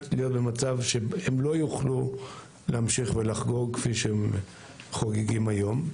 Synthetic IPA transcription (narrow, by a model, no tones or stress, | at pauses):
tlijo̞t̪̚be̞mat͡savʃe̞emlo̞juχlu | leamʃiχvelaχɡo̞ʁkfiʃeem | χoɡeɡimajom